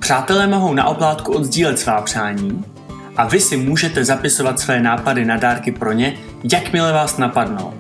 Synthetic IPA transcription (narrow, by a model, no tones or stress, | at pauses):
pr̝̥aːt̪ɛlɛːmo̞ɦo̞wna̰ʔo̞plaːt̪kuʔo̞d̪zɟiːlɛt̪svaːpr̝̥aːɲiː | ʔavɪsɪmuːʒɛt̪ɛzapɪso̞vat̪svɛːnaːpadɪnadaːɾkɪpɾo̞ɲɛ | jakmɪlɛvaːsnapadno̰